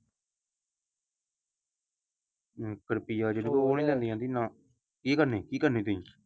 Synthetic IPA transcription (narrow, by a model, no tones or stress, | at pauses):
kəɾpiːjaːd͡ʒeːnẽːkoːneːlɛ̃ːnd̪ĩjãːt̪ɪnːãː | kiːkəɾneːkiːkəɾnẽːt̪̬ʊĩː